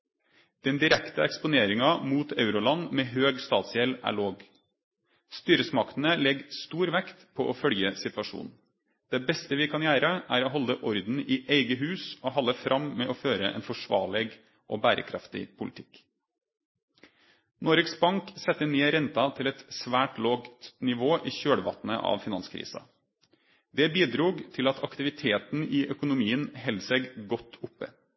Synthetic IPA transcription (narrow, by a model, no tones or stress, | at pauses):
d̪̥ɛnd̪ɪɾɛkt̪əɛkspʊneːɾɪŋɑmuːt̪ʰɑʉɾʊlɑnmeːɦøːɡst̪ɑːt̪sjɛlʔæ̰ːɭoːɡ | st̪yːɾəsmɑkt̪n̩əlɛɡst̪uːɾʋɛkt̪pʰoːʔofœljəsɪt̪ʋɑʂṵːnn̩ | d̪̥eːbɛst̪əʋɪkʰɑnjæːɾəʔæːɾoːɦɔlːəʔɔɾd̪n̩iːʔeɪɡəɦʉːsoːhɑlːəfɾʔɑmmeːʔoːføːɾəʔɛ̰ːnfɔʂʋɑ̰ːɭɛɡ | ʔɔbæːɾə̰kʰɾɑft̪ɪ̰pʰʊlɪt̪ʰɪk | noːɾɪksbɑŋksɛt̪ːəneːɾɛnt̪ɑt̪ʰɪlɛt̪sʋæːʈloːɡt̪nɪʋoːʔiːçøːɽʋɑ̰t̪nə̰ʔɑ̰ʋfɪnɑnskʰɾḭːsɑ̰ | d̪ɛbiːd̪ɾuːɡt̪ʰɪlɑt̪ʰɑkt̪ɪʋɪt̪ʰeːt̪nɪʔœkʊnʊmiːənɦɛlseːɡɡɔt̪ʰːʊpːə̰